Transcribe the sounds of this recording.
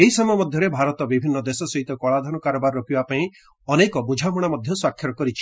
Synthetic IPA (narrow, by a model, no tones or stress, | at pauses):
eɦisɔmɔjɔmɔd̪ʱjɔɾebʱaɾɔt̪ɔbibʱinːɔd̪esɔsɔɦit̪ɔkɔɭad̪ʱanɔkaɾɔbaɾːɔpibapaĩ | ɔnekɔbud͡ʒʱamɔɽ̃amɔd̪ʱjɔswakʰːjɔɾɔkɔɾit͡ʃʰi̥